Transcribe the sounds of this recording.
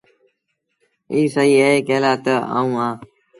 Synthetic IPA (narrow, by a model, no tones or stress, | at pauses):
iːsəiːeeːkeːlaːt̪əa̰ːũːãː